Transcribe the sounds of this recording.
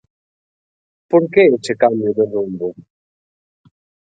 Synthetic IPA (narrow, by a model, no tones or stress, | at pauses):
poɾkeet͡ʃekambjʊðerumbʊ